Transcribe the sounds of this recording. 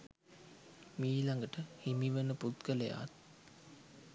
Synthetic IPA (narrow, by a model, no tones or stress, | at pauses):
miːlaŋɡəʈəhimiʋənəput̪kələja̰ːt̪̚